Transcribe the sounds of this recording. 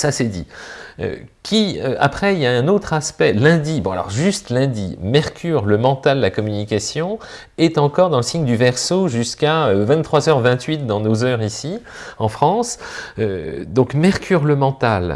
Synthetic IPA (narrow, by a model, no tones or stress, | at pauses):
sasɛd̪ḭø̰kʲʰiøʔa̰pχɛiljaɛ̃not̪χaspɛlɛ̃d̪ibɔ̃a̰lɔ̰ʁʒyst̪lɛ̃d̪imɛʁkʲyʁləmɑ̃t̪ald̪əlakɔmynikasjɔ̃ | ɛt̪ɑ̃kɔʁd̪ɑ̃ləsiɲd̪yvɛʁsoʒyskaøvɛ̃t̪ːχwazœʁvɛ̃t̪ɥit̪̚d̪ɑ̃nozœʁisi | ɑ̃fχɑ̃sød̪ɔ̃kmɛʁkʲyʁləmɑ̃t̪al